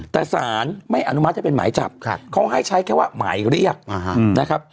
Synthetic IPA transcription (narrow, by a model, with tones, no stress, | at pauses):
t̪ɛː˨˩saː˩˦nma˥˩jʔa˧nu˦ma˦˥a˨˩pe˧nma̰ː˩˦jt͡ɕa̰˨˩p̚kʰkʰa˦˥wɦa˥˩jt͡ɕʰa˦˥jkʰɛː˥˩waː˧˥˩ma̰ː˩˦jɾi˥˩ək̚ːna˦˥kʰa˦˥p̚